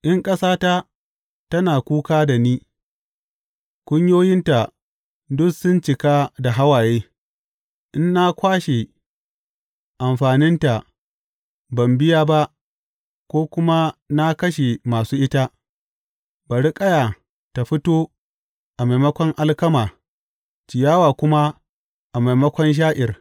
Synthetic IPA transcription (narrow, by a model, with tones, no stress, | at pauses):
ʔɪ˦ŋkʼɐ˦saː˦ta˦ | tɐ˦naː˨kʷuː˦kaː˦da˨niː˦ | kʷʊ˦ɲjoː˦jɪ˦nta˨ | dʊ˦ksʊ˦nt͡ʃɪ˨kaː˦da˨ɦa˦waː˨jeː˦ | ʔɪ˦nːa˦kʷaː˦ʃe˨ | ʔa˨mɸaː˨nɪ˦nta˨ | bɐ˨mbɪ˦jaː˦ba˦ʔ | kʷoː˦kʷʊ˦ma˦na˦kɐ˦ʃe˨maː˨suː˦ʔɪ˦ta˦ | ba˨ɽi˦kʼɐ˦ja˨ | ta˨ɸɪ˦toː˦ | ʔa˨ma˨jmɐ˦kʷɔ˦ŋʔa˦lkɐ˦maː˨ | t͡ʃɪ˨jaː˦waː˨kʷʊ˦ma˦ | ʔa˨ma˨jmɐ˦kʷɔ˦nʃ̬aː˦ʔɪ˨r